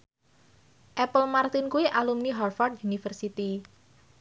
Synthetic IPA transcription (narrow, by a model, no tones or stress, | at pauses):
ʔɛpəlmart̪ɪnkuiʔalumniɦarfɔrd̪junifərsit̪i